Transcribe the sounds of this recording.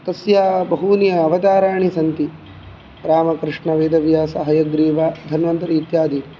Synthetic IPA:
t̪ɐsjaːbɐɦunijɐɐʋɐt̪aːɾaːɳisɐnt̪i | pɾaːmɐkɾɪʂɳɐʋeːd̪ɐʋjaːsɐɦɐjɐɡɾiːʋaːd̪ʱɐnʋɐnt̪ɐɾiːt̪jaːd̪i

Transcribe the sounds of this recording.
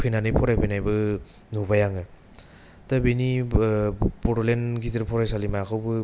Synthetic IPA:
pʰinanɯjpʰɔɾajpʰɯjnajbɯ | nubajaŋɯ | tabeni | pɔɾɔlenɡitiɾpʰɔɾajsalimaakʰawbɯ

